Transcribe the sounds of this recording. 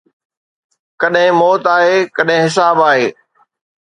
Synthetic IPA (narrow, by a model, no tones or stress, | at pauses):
kɐɗɦɪ̃mɔːt̪aːɦeːkɐɗɦɪ̃ɦɪs̬aːbaːɦeː